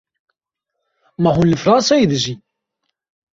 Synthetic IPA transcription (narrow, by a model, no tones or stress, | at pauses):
mæɦunləfɾˤɑnsæjiðʒi